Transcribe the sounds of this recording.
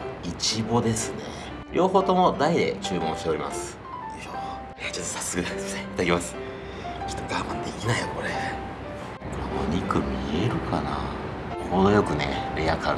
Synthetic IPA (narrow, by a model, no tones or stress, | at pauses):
it͡ɕibo̞d̪e̞sɨne̞̰ | ɾʲʔo̞ːho̞ːt̪o̞mo̞d̪aid̪e̞̰t͡ɕɨːmõːɕit̪eɾimasɨ̥ | o | et͡ɕot̪ːosḁsɨkɯ̟d̪asaiit̪ad̪akemasɨ̥ | t͡ɕo̥t̪ːoɡamãnd̪e̞kʲinaijoko̞ɾe | kamoɲʲikɯ̟mʲieɾɯ̟kana | konojo̞kɯ̟nḛɾejaka̰